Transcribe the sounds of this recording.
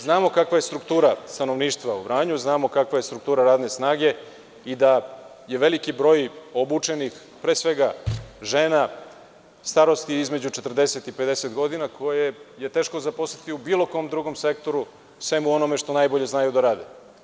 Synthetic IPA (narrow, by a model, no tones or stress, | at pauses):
znaːmo̞kakʋaje̞st̪ɾukt̪uːɾast̪ano̞ʋniːʃt̪ʋauvɾaːɲuznaːmo̞kakʋajest̪ɾukt̪uːɾaɾaːd̪nesnaːɡe̞ | id̪a | je̞ʋe̞likibɾo̞jo̞but͡ʂe̞nix | pɾeːsʋe̞ɡaʒeːna | st̪aɾo̞st̪iizmed͡ʑut͡ʃe̞t̪r̩d̪e̞set̪ipe̞d̪e̞set̪ɡo̞d̪inakʰo̞jeje̞t̪e̞ːʃkozapost̪at̪iubiːlˠo̞ko̞ːmd̪ɾuɡo̞mse̞kt̪o̞ɾu | sʋe̞muo̞nomeʃt̪o̞najboʎe̞znajud̪aɾaːd̪e